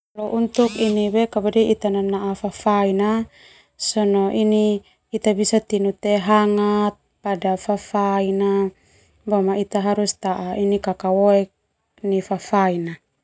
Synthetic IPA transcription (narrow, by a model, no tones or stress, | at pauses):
loʔunt̪ukiniwekabadiʔit̪ananaʔafafaina | sɔnoʔiniː | t̪abisat̪inut̪eɦaŋat̪̚padafafaina | bomait̪aɦaɾust̪aʔainikakawoɛk̚ | nifafaina